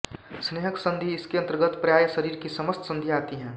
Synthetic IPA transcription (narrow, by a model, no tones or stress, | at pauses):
sneːɦəksə̃nd̪ʱiɪskiɐ̃nt̪əɾɡət̪pɾɐjaːjəsəɾiːɾkisɐməst̪sə̃nd̪ʱiaːt̪iɦɛ̃ː